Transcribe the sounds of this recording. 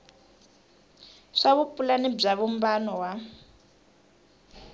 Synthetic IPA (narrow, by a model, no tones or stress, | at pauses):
ʂaβupulanib͡ʐaβum̩banɔwa